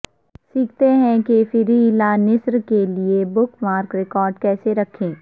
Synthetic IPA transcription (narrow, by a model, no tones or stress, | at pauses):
siːk̚ʰt̪eɦɛ̃kefɪɾilanɪsɾkeliebʊkmaːɾkɾɪkɔːɾɖkɛːseɾɐkʰẽː